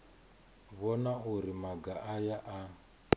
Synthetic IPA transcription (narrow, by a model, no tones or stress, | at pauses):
βɔnauɾimaɡaʔːjaʔa